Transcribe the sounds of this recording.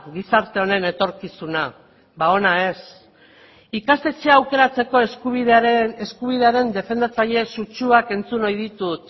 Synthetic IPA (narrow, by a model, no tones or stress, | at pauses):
ɡisaɾt̪e̞o̞ne̞ne̞t̪o̞ɾkisuna | βao̞nae̞s | ikast̪e̞t͡ʃeawke̞ɾat͡se̞ko̞eskuβiðeskuβiðe̞aɾe̞nd̪e̞fe̞nd̪at͡saʎe̞sut͡ʃuake̞nt͡suno̞jðit̪ut̪